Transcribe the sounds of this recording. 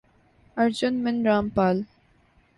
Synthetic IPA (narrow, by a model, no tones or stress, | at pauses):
ɐɾd͡ʒʊnmɪnɾaːmpaːl